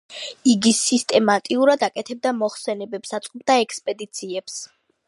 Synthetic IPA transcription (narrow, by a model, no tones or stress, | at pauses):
iɡisist̪ʼɛmat̪ʼiuɾad̪akʼɛt̪ʰɛb̚d̪amɔχsɛnɛbɛpsat̪sʼqʼɔbd̪aɛkʰspʼɛd̪it̪sʰiɛps